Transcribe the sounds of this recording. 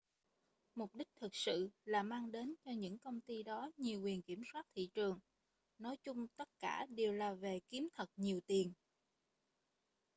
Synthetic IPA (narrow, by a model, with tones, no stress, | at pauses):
mʊ˨˩k͡p̚ɗï˦˥k̚t̪ʰɨ˨˩k̚sɨ̰˧˨laː˨˩maː˧ŋɗe˨˦nt͡ɕɔ˧ɲɨ̰˧˥ŋkə˧wŋ͡mt̪i˧ɗɔ˨˦ɲi˨˩əwkwi˨˩ənki˧˩əmswaː˦˥t̚t̪ʰḭ˧˨t͡ɕɨ˨˩əŋ | nɔ˨˦jt͡ɕʊ˧ŋ͡mt̪ə˦˥t̚ka̰ː˧˩ɗe˨˩əwlaː˨˩ve˨˩ki˨˦mt̪ʰə˨˩t̚ɲi˨˩əwt̪i˨˩ən